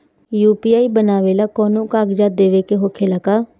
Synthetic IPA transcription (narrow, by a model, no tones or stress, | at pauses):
juːpiaːibənaːʋelakɔːnõkaːɡd͡ʒad̪eːʋekeɦokʰelakaː